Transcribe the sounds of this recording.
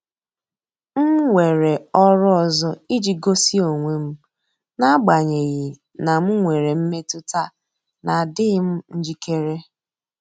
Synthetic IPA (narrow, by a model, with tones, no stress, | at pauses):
m̩˦ŋʷe˨ɾe˨ɔ˦ɾʊ˦ɔ˨zɔ˦i˦d͡ʒi˨ɡo˦si˦o˨ŋʷe˨m̩˦ | na˦ɡ͡ba˨ɲe˨ɣi˨ | na˨m̩˦ŋʷe˨ɾe˨m̩˦me˦tʊ˦ta˦ | na˨dɪ˦ɣɪ˦m̩˦n̩˦d͡ʒi˦ke˦ɾe˦